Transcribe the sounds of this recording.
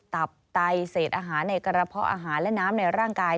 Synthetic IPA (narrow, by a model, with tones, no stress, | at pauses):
t̪a˨˩p̚t̪a˧jseː˨˩t̪̚ʔaː˧ɦaː˩˦nːa˧jka˧ɾa˧pʰɔ˦˥ʔa̰ː˧ɦaː˩˦nlɛ˦˥naː˦˥mna˧jɾaː˥˩ŋkaː˧j